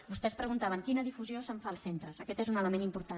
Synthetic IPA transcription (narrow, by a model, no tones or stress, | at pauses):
bust̪ɛspɾəɣ̞unt̪aβəŋkinəðifuziosəɱfaːlˠsent̪ɾəzəkɛt̪ezunələmenimpuɾt̪a